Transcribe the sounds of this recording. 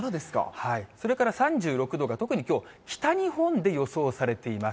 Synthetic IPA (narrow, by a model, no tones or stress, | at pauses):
od̪esɨ̥ka̰haiso̞ɾe̞kaɾasãɲ̟d͡ʑɨːɾo̞kɯ̟d̪o̞ɡat̪o̞kɯ̟ɲ̟ikʲo̞ː | kʲi̥t̪aɲ̟ihõ̞nd̪e̞jo̞so̞ːsaɾe̞t̪e̞imas